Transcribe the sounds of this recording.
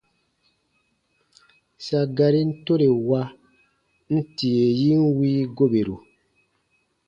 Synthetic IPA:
sa˨ɡa˧ɾi˦n̩˦to˦ɾe˨wa˦ | n̩˦ti˨e˨ji˦n̩˦wiː˦ɡo˦be˨ɾu˨

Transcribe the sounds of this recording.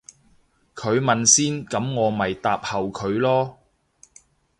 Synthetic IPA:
kʰɵ˨˧ɥmɐ˨nsiː˥nkɐ˨˥mŋɔː˨˧mɐ˨jt̪aː˧p̚hɐ˨wkʰɵ˨˧ɥlɔː˥

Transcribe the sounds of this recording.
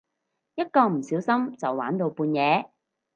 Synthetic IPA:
jɐ˥t̚kɔː˧m̩˨˩siː˨˥wsɐ˥mt͡sɐ˨wːa̰ː˨˥nt̪o˧wpuː˧njɛː˨˧

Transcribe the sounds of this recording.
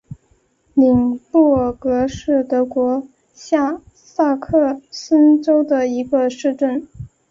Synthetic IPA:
li˨˩ŋpɔ˥˩kɤ˧˥ʂɻ̩˥˩t̪ɤ˧˥kwɔ˧˥ | ɕja˥˧ | sa˥˧kʰɤ˥˧sə˥nʈ͡ʂo˥ʊd̪ə˨i˧˥ɡə˧ʂɻ̩˥˧ʈ͡ʂə˥˩n

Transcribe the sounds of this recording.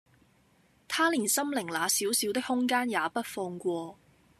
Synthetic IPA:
t̪ʰaː˥liː˨˩nsɐ˥mlɪ˨˩ŋlaː˨˧siː˨˥wsi˨˥wt̪ɪ˥k̚hʊ˥ŋkaː˥njaː˨˦pɐ˥t̚fɔː˧ŋkʷɔː˧

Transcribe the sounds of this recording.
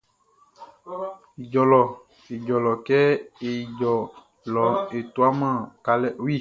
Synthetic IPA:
i˨d͡ʒɔ˨lɔ˨ | i˨d͡ʒɔ˨lɔ˨kɛ˦e˨d͡ʒɔ˨ | lɔ˨e˨t̪u˦a˦mã˦˨ka˨lɛ˦˨˦i˦˨

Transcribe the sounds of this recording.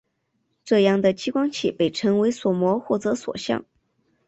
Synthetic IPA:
ʈ͡ʂɤ˥˧jɑ˥˩ŋd̪ə˩t͡ɕi˥kwɑ˥ŋt͡ɕʰḭ˥˩pe˥˩ɪʈ͡ʂʰɤ˧˥ŋwe˧˥ɪswɔ˨˩mwɔ˧˥xwɔ˥˩t͡sɤ˧˥swɔ̰˨˩ɕjɑ̰˥˩ŋ

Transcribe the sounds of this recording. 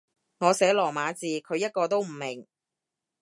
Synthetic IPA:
ŋɔː˨˧sɛː˨˥lɔː˨˩maː˨˧˥t͡siː˨kʰɵ˨˧ɥjɐ˥t̚kɔː˧t̪o˥wm̩˨˩mɪ˨˩ŋ

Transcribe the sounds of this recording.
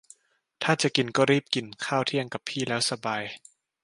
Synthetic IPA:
t̪ʰaː˥˩t͡ɕa˨˩ʔki˨˩nkɔː˥˩ɾiː˥˩p̚ki˨˩nkʰaː˥˩wt̪ʰi˥˩əŋka˨˩pʰːiː˥˩lɛː˦˥wsa˧baː˧j

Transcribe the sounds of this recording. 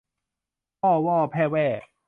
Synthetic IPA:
pɔː˥˩wɔː˥˩pʰɛː˥˩wɛː˥˧˩

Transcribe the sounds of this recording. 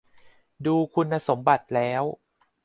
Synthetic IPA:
duː˧kʰu˧nːa˧so˩˦mba˨˩t̪̚lɛː˦˥w

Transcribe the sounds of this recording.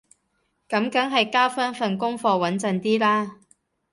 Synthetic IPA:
kɐ˨˥mkɐ˨˥ŋɦɐ˨jkaː˥wfaː˥nfɐ˨nkʊ˥ŋfɔː˧wɐ˨˥nt͡sɐ˨nt̪iː˥laː˥

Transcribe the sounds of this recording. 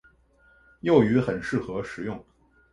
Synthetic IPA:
jo˥˩ʊy˧˥xə˨˩nʂɻ̩˥˩xɤ˧˥ʂɻ̩˨˩˦jʊ˥˩ŋ

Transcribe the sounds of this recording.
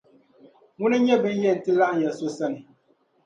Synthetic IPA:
mu˦nɨ˦ɲɛ˦bɨ˦n˦jɛ˦˨n̩˨tɨ˦la˦ʔn̩˨jɛ˨so˦sɛ˦˨nɨ˨

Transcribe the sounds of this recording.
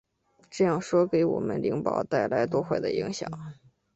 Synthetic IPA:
ʈ͡ʂɤ˥˧jɑ˥˩ŋʂwɔ˥ke˧˥ɪwɔ̰˨˩mə̰˦nli˧˥ŋpɑ̰˨˩ʊt̪a˥˩ɪla˧˥ɪt̪wɔ˥˧xwe˥˩ɪd̪ə̰˩i˧˥ŋɕjɑ̰˨˩˦ŋ

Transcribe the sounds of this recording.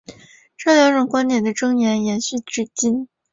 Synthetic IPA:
ʈ͡ʂɤ˥˩ljɑ˧˥ŋʈ͡ʂʊ˨˩ŋkwa˥nt̪jɛ˨˩nd̪ə˦ʈ͡ʂɤ˥ŋjɛ˧˥njɛ˧˥nɕy˥˩ʈ͡ʂɻ̩˥˩t͡ɕi˥n

